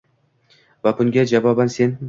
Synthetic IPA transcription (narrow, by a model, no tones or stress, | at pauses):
vabʊŋɡʲad͡ʒavɒbanse̞n